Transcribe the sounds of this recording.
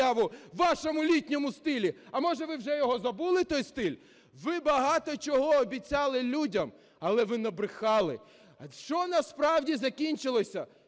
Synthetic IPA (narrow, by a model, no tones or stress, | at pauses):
aʋʊːɑʃɔmʊlʲitʲnʲɔmʊst̪ɪlʲiɐmɔʒɛʋɪwʒɛjɔɦɔzɐbulˠɪt̪ɔjst̪ɪlʲ | ʋɪbɐɦɑt̪ɔt͡ʃɔɦɔːbʲit͡sʲɑlˠɪlʲudʲɐm | ɐlˠɛʋɪnɐbɾɪxɑlˠɪ̰ | ʃt͡ʃɔnɐspɾɑwdʲizɐkʲinʲt͡ʃɪlˠɔsʲɐ